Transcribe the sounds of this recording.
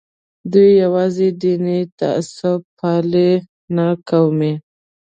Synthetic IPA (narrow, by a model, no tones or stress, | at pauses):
d̪ujːawɑzed̪init̪a̰sʊpʰɑle | nakawme